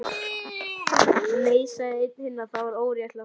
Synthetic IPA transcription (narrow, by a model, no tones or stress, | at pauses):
leːjsaðɪɪt̪ɪhɪnːaθaðvaɾoːwɾjat̪la